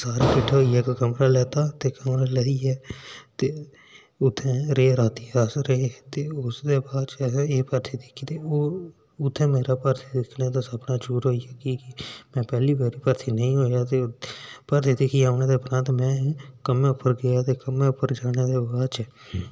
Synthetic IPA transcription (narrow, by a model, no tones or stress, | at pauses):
saːɾeːkɪʈʰːɦoːiːaːkkəmɾaːlɛːt̪aːt̪eːkəmɾaːlɛːiːɛːt̪eː | ʊt̪ʰːẽːɾeːɾaːt̪iːsɾeet̪eːʊsd̪eːbaːdt͡ʃeːpəɾt̪ʰiːd̪ɪkʰit̪eːo | ʊt̪ʰːẽːmeːɾaːpəɾt̪ʰiːd̪ɪkʰneːt̪aːsəbnaːd͡ʒuːɾɦoːijaːkiːkɪmɛ̃ːpɛːliːbaːɾiːpəɾt̪ʰiːnəĩːɦoːjaːt̪eːpəɾt̪ʰiːd̪ɪkʰiːaːʊnẽːd̪eːʊpɾə̃nt̪mɛ̃ːkəmẽːʊpːəɾɡəjaːt̪eːkəmẽːʊpːəɾd͡ʒaːneːd̪eːbaːdt͡ʃɛː